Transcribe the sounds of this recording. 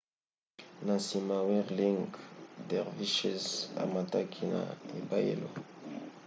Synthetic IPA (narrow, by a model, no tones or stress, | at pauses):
nãsimawɛʁliŋɡd̪ɛʁviʃɛza̰mat̪akʰina̰ebajḛlo